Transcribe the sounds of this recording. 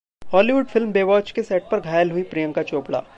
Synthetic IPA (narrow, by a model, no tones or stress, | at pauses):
hɔːliʋʊɖfʰɪlmbeːʋɔːt͡ʃkesɛːʈ̚pɐɾɡʱaːjəlɦʊipɾijə̃ŋkat͡ʃoːpɽa̰ː